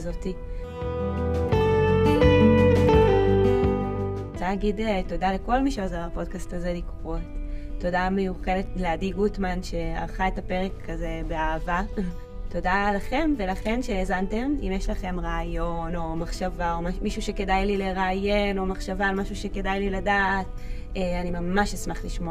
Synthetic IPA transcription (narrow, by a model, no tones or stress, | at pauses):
zo̞ti | t͡saaɡideto̞daleko̞lmiʃeozeʁapo̞d̚kastaze̞likʁotːo̞dame̞juχe̞detleadiɡutmanʃe̞a̰ʁχae̞tape̞ʁekʰːazebe̞aːva | to̞dalaχe̞mve̞laχe̞nʃeːzante̞mḭmjeʃlaχe̞mʁaːjo̞no̞maχʃavaommiʃuʃe̞ke̞dajlileʁaːjeno̞maχʃavalmaʃuʃe̞ke̞dajliladaːt | eanimamaʃesmaχliʃmoa